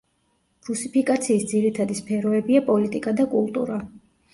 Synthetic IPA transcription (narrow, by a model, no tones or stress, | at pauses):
ɾusipʰikʼat̪sʰiːsd̪ziɾit̪ʰad̪ispʰɛɾɔɛbiapʼɔlit̪ʼikʼad̪akʼulˠt̪ʼṵɾa